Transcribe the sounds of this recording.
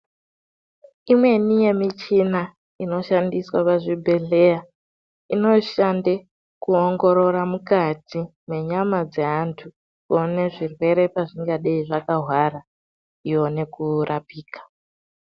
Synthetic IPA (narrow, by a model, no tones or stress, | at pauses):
imwe̞nije̞mit͡ʃina | ino̞ʃandiswapaʐibʱe̞ɮe̞ja | ino̞ʃande | kuoŋɡo̞ɾo̞ɾamukatimwe̞ɲamad͡ze̞ɦantʰu | kone̞ʐirwe̞ɾe̞paʐiŋɡaɗaiʐakaɦwaɾa | ijone̞kurʔapiːkḁ